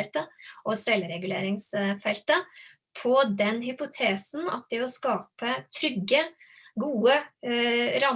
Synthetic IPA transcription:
lt̪əʔɔsɛlɾɛɡʉlḛːɾɪŋsfɛlt̪ə | pʰɔd̪ɛnɦʏpʊt̪ʰeːsn̩ɑ̰t̪̚d̪ɛɔskɑːpət̪ʰɾʏɡːə | ɡuːə | ɾɑm

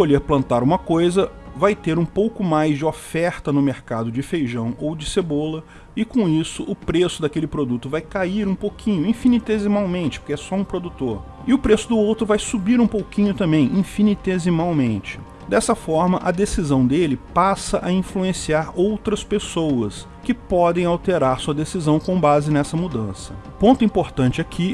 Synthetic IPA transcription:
koʎeɾplɐ̃nt̪aɾũmɐkojzɐvajt̪eɾũpowkʊmajzd͡ʒɪofɛɾt̪ɐnʊmeɾkad̪ʊd͡ʒɪfejʒɐ̃w̃owd͡ʒɪsebolɐ | ɪkõisʊʔʊpɾesʊd̪ɐkelɪpɾod̪ut̪ʊvajkaiɾũpowkʰĩɲʊĩfinit̪ezimawmẽnt͡ʃɪ̥po̥kɪɛsɔũpɾod̪ut̪oɾ | ɪʊpɾesʊd̪ʊowt̪ɾʊvajsubiɾũpowkĩɲʊt̪ɐ̃mbẽj̃ʔĩfinit̪ezimawmẽnt͡ʃɪ̥ | d̪ɛsɐfɔɾmɐʔɐd̪esizɐ̃w̃d̪elɪpasɐʔɐĩfluẽsiaɾowt̪ɾɐspesowɐs | kɪpɔd̪ẽj̃awt̪eɾaɾsuɐd̪esizɐ̃w̃kõbazɪnɛsɐmud̪ɐ̰̃sɐpõnt̪ʊĩpoɾt̪ɐ̃nt͡ʃɪakʰi

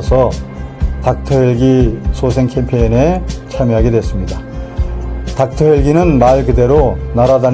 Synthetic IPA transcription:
sʰʌ | tak̚tʰʌjeɭɡisʰos̬ʰe̞ŋkʰempʰeine̞t͡ɕʰamjoɦaɡe̞dwe̞s͈ɯmɲida | tak̚tʰʌɦeɭɡinɯnmaɭkɯde̞ɾonaɾadan

